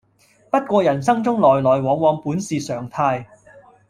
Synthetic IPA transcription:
pɐ˥t̚kʷɔː˧jɐ˨˩nsɐ˥ŋt͡sʊ˥ŋlɔː˨˩jlɔː˨˩jwɔː˨˧ŋwɔː˨˧ŋpuː˨˥nsiː˨sœː˨˩ŋt̪ʰaː˧j

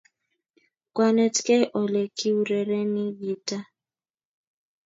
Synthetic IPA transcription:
kwa˨nɛ˨tkɛ˦ʔɔ˨lɛ˨ki˦u˨ɾɛ˨ɾɛ˦ni˦vi˨ta˦

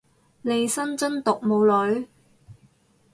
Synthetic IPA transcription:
le˨˧jsɐ˥nt͡sɵ˥nt̪ʊ˨k̚mo˨˧wlɵ˨˥ɥ

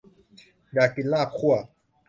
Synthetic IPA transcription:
ɖa˨ki˨la˦˨kʰu˦a˨

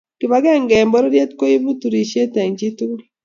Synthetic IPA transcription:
kɪ˨βa˦ɡɛ˦˨ŋɡɛ˨mbɔ˦ɾo˦ɾje˦tko˦i˦βu˦tu˨ɾi˨ʃe˦tɛ˨ŋd͡ʒi˦tu˦

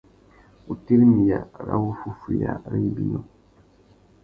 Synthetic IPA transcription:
u˨ti˦ɾi˦mi˨ja˨ɾa̰˦wu˦fu˦fu˨ja̰˨ɾi˦bi˦no˨

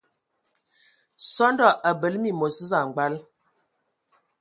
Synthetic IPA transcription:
sɔ˦ndɔ˦˨ʔa˨bə˨lmi˦˨mo˨si˦za˨ŋ̩˨ɡ͡ba˦l

